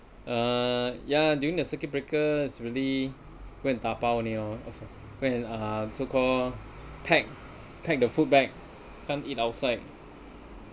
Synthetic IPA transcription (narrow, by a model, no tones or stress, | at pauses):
ʔajadjuĩŋdəsəkibɹekəisɹili | wɛ̃nt̪apawniɔɔ̰so | wɛ̃nasokʰɔl | pʰɛk̚ | pʰɛk̚dəfut̚bɛk̚ | kʰãnitawtsaɪt̚